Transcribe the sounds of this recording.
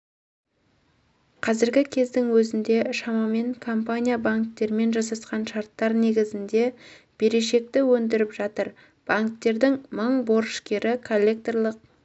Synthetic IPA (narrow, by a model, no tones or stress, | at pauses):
qʰɑzɪɾɡʲɪkʲʰe̞zd̪ɪŋwɵzɪnd̪e̞ʃɑmɑme̞ŋkʰo̞mpanʲijabaŋk̚t̪ːe̞ɾme̞nʒɑsɑsqɑnʃɑɾt̪ːɑɾne̞ɡʲɪzɪnd̪e̞ | b̥e̞ɾe̞ʃe̞k̚t̪ɪwɵnd̪ɪɾɪpʒ̥ɑt̪əɾ | b̥aŋkt̪ːe̞ɾd̪ɪŋməɴbo̞ɾəʃkʲe̞ɾɪkʰo̞lʲːe̞k̚t̪o̞rlˠəq̚